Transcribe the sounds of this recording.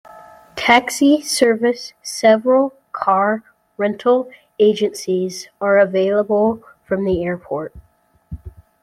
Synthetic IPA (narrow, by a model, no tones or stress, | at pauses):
tʰæksisɜ˞vɨsːɛvɹəl̩ˠ | kʰɑɹ | ɹɛ̃ntʰl̩ˠ | eɪd͡ʒɨ̃nsizə˞ɨveɪlˠəbəl̩ˠ | fɹʌ̃mðiɛɹpʰɔɹt̚